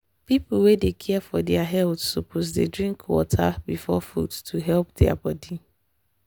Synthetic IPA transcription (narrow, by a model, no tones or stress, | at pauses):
pipl̩wedekʰɛɛfɔdɛaɦɛltsopʰozdedɹĩŋkwɔ̰tʰabifɔfṵdtʰuɦɛlp̚dɛa̰bɔdi